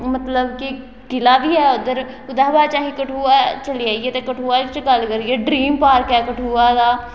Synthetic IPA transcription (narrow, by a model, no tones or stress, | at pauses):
mət̪ləbki | kɪlaːbʱiːɦɛːod̪əɾ | ʊd̪aːbaːt͡ʃaːɦĩːkəʈʰuːaːt͡ʃəliaːiɛːt̪ekəʈʰuːaːlit͡ʃɡəlkəɾiɛːɖɾiːmpaːɾkɛːkəʈʰuːaːd̪aː